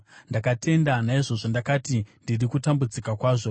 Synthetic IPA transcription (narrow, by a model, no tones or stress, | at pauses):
ndakate̞ndanaiʐo̞ʐo̞ndakatindirikutambud͡zikakwaːʐo̞